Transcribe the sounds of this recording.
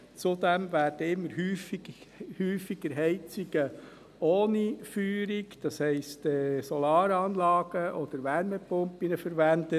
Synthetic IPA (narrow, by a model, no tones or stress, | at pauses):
t͡sud̪ɛmʋæːɾd̥əɪmːəɾɦyːfihyːfiɡ̥əɾɦɛɪt͡siɡə | oːnifyːɾiɡd̥ɑshɛɪstɛsɔlɑːɾɑːnlɑːɡ̥əʔɔd̥̪əɾʋæɾmɛpʊmpinəfəɾʋænd̪ə